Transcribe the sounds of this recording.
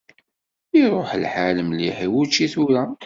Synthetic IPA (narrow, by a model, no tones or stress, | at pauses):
iɾˤoħlħaləmliħiwut͡ʃːiθuɾa